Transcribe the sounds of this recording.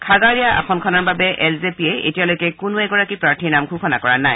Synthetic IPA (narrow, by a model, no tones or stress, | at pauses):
kʰaɡaɹijaʔa̰xʰɔnkʰɔnaɹbabɛʔɛlzepiɛḛtijalojkɛkʊnʊɛɡɔɹakipɹaɹtʰinamkʰuxʰɔnakɔɹanaj